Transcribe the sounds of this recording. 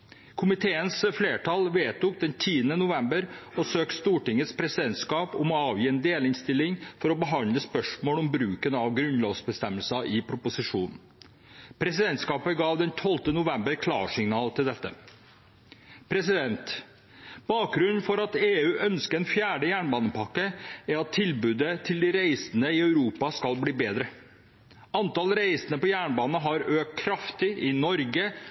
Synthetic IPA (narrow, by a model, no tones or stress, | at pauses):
kʰʊmɪt̪ʰeːənsfleːʈʰɑlʋeːt̪ʊk̚d̪ɛnt̪ʰiːənənʊʋɛmbəɾɔsøːkst̪uːʈɪŋːət̪spʰɾɛsɪd̪ɛnt̪skɑːpʊmɔɑːʋjiːɛːnd̪eːlɪnst̪ɪlːɪŋfɔɾɔbəɦɑnd̪ləspœʂmoːlɔmbɾʉːkənɑʋɡɾʉnloːʋsbəst̪ɛmːəlsɑʔɪpʰɾʊpʊsɪʂuːnn̩ | pʰɾɛsɪd̪ɛnt̪skɑːpəɡɑːʋd̪ɛnt̪ʰɔlt̪ənʊʋɛmbəɾkʰlɑ̰ːʂɪŋnɑːlt̪ʰɪld̪ɛt̪ːə̰ | pʰɾɛs̬ɪd̪ɛnt̪ | b̥ɑːk̚ɡɾʉnn̩fɔɾɑt̪eːʉːʔœnskəɾɛnfjæːɖəjæːɳbɑːnəpʰɑkːəæɾɑt̪ʰːɪlbʉːd̪ət̪ʰɪld̪ɪɾæɪsənəɪœʉɾuːpɑskɑlbliːbeːd̪ɾə | ɑnt̪ɑlɾæɪsənəpɔjæːɳbɑːnəɦɑɾøːk̪kʰɾɑft̪ɪʔɪnɔɾɡə